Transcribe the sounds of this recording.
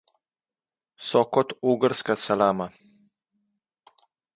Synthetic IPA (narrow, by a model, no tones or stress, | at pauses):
sɔkɔt̪uːɡəɾskasalaːma